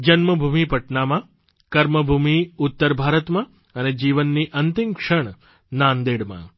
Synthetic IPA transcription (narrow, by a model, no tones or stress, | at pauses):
d͡ʑɐnmɐbʱumipɐʈnaːma | kɐɾmɐbʱuːmiut̪ːəɾbʱaːɾət̪ma | ɐned͡ʑiːʋənːiːʔɐnt̪imkʂəɳ | naːnd̪eːɽma̰